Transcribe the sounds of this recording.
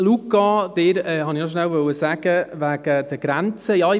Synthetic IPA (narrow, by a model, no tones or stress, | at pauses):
lukːɑd̥̪eɾɛɦɑnɪnɔʃnæwʋœwəsæɡ̥əʋæɡ̥əd̥̪əɡ̥ɾænt͡səjɑɪ